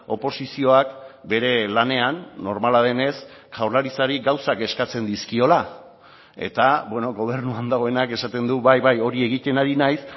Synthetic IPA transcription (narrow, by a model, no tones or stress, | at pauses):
o̞po̞sisio̞akbe̞ɾe̞lane̞anːo̞ɾmalað̞e̞ne̞skawɾlaɾisaɾiɡawsake̞skat͡se̞nd̪iskio̞la | e̞̰t̪abwe̞no̞ɣo̞β̞e̞ɾnuand̪aɣ̞o̞e̞nake̞sat̪e̞nd̪uβajβajo̞ɾie̞ɣ̞it̪e̞naɾinajs